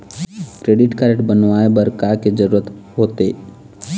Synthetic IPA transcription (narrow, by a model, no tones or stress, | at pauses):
kɾeːɖɪʈkaɾeʈbənʋaːebəɾkaked͡ʒəɾuːɾət̪ɦoːt̪eː